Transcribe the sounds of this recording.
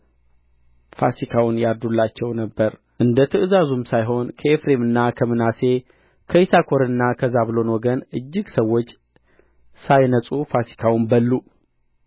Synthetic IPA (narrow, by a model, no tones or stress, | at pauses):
fa̰sikʰawʊnjaɾd̪ulːat͡ʃːɛwnəbːəɾ | ʔɨnd̪ət̪ʰɨʔɨzazumsajɦo̞nkʰəefɾe̞mɨnːakʰəmɨnase̞ | kʰəisakʰo̞ɾɨnːakʰəzaβlo̞nwɔɡənɨd͡ʒːɪɡsəwːot͡ʃː | sajnəsʼufasi̥kʰawʊmbəlːu